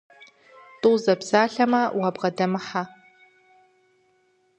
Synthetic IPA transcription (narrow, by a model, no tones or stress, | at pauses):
tʼuwzɐbsaːɬɐmɐwabʁɐdɐmɨħa